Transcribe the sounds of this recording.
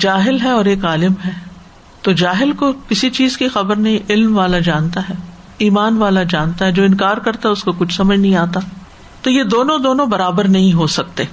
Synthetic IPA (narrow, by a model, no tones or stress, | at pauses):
d͡ʒaːɦɪlɦɛɔːɾeːkaːlɪmɦɛː | t̪od͡ʒaːɦɪlkokɪsit͡ʃiːzkixɐbəɾnɐɦĩʔɪlmʋaːlad͡ʒãːnt̪aɦɛː | iːmaːnʋaːlad͡ʒaːnt̪aɦɛd͡ʒoːɪ̃nkaːɾkɐɾt̪aɦɛʊskokʊt͡ʃʰsɐməd͡ʒnɐɦĩaːt̪a | t̪ojed̪oːnõd̪oːnõbɐɾaːbəɾnɐɦĩɦosɐk̚t̪eː